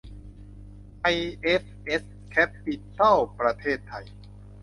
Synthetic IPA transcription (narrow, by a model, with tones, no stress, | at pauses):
ʔa˧jʔe˦˥sʔe˦˥s | kʰɛ˦˥pːi˧t̪a˥˩wpɾa˧t̪ʰeː˥˩t̪ʰːa˧j